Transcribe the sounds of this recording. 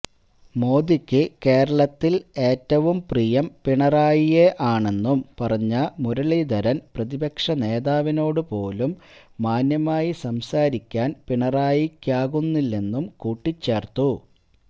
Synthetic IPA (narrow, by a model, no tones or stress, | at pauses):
mo̞ːd̪ikʲːɨke̞ːɾɐɭɐt̪ːile̞ːtːɐʋumprijɐmpiɳɐraːjijeʔaːɳe̞nːumpɐrɐɲːɐmuɾɐɭid̪ɐɾɐnprɐðibɐkʂɐne̞ːðaːʋino̞ːɽɨpo̞ːlumː | aːnjɐmaːjisɐmsaːɾikʲːaːnpiɳɐraːjikʲːaːɣunːilːenːumkuːʈːit͡ɕːe̞ːrt̪u